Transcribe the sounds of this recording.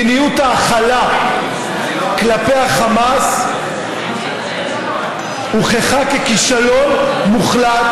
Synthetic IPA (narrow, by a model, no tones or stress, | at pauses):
nijut̪aːχala | klapejaχamas | uχeχakekiʃalonmuχlat